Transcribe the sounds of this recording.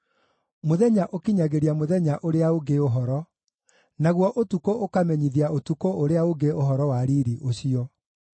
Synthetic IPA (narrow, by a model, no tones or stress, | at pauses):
moðɛɲaʔokiɲaɣeɾiamoðɛɲaʔoɾeaoɡeoɦɔɾɔ | naɣwɔʔotukookamɛɲiðiaotukooɾeaoɡeoɦɔɾɔwaɾiɾiʔoɕiɔ